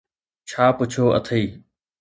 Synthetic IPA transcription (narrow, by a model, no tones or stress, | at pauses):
t͡ɕʰaːpʊt͡ɕʰoːə̰t̪ʰiː